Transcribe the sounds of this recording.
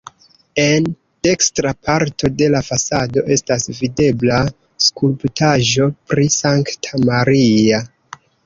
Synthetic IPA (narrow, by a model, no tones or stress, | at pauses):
e̞n | d̥e̞kstɾapʰaɾtʰo̞de̞lafasado̞ʔe̞stasvide̞bla | skulptʰaʒo̞pɾisaŋktʰamaɾia